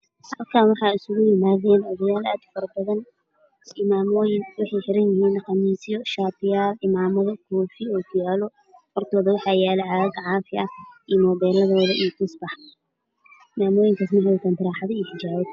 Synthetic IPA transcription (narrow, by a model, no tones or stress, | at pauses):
hɐlkʰaːnwɑħɑːɪsʊɣʊjɪmaːðɛːnʕɔðɐjaːla̰ːd̪fɐɾɐbɐðɐn | ɪmaːmɔːjɪnwɪħɑjħɪɾɐnjɪɦiːnqɑmiːsɪjɔʃaːbɪjaːlɪmaːmɐðɐkʰuːfɪɔːɡʊjaːlɔ | fɔrt̪ʰɔːðɐwɑħɑːjaːlɛʕaːɐɡʕɑːfɪɐʔiːmɔbɛːlɐðɔːðɐʔijk̪ʰʊsbɑħ | ɪmaːmɔːjɪŋkʰaːsmɐɦɛt̪ʰɐnt̪ʰɪɾaːħɑðɐiːħɪd͡ʒaːβɔ